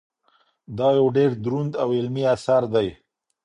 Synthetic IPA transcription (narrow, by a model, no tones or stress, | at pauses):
d̪ɑjawɖeɾd̪ɾund̪awɪlmiasaɾd̪aj